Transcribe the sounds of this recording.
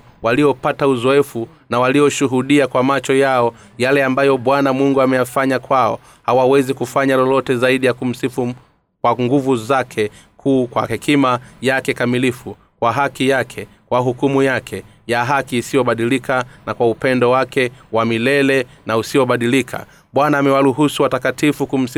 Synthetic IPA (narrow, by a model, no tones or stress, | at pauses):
waliɔpatauzɔɛfu | nawalijɔʃuɦuɗiakwamat͡ʃɔjaɔ | jalɛambajɔɓwanamuŋɡuamɛjafaɲakwaɔ | hawawɛzikufaɲalɔlɔtɛzaiɗijakum̩sifu | kwaŋɡuvuzakʰɛ | kʰuːkwahɛkimajakɛkamilifu | kwaɦakijakʰɛ | kwaɦukumujakʰɛ | jaɦakiːsijɔɓaɗilikanakwaupɛndɔwakɛwamilɛlɛnausijɔɓaɗilikʰa̰ | ɓwanaːmɛwaɾuɦusuwatakatifukum̩si